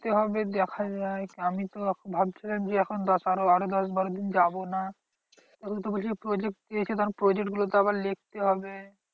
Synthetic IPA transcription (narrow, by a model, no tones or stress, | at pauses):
t̪eɦɔbed̪ɛkʰad͡ʑaekamit̪obʱabt͡ɕʰilamd͡ʑeɛkʰond̪ɔsaɾoaɾod̪ɔsbaɾod̪ind͡ʑabona | t̪ɛkʰot̪oboʃʰipɾod͡ʑek̚ʈ̚d̪iet͡ɕʰit̪aɾpɾod͡ʑek̚ʈɡulot̪oaβaɾlek̚ʰt̪eɦɔbe